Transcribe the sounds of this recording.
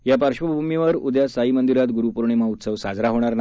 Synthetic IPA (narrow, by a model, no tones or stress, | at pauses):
japəɾɕʋəbʱumiʋəɾud̪jasaɦimənd̪iɾat̪ɡuɾupuɾɳ̃em̤aut̪səʋsad͡zɾaɦoɽ̃aɾn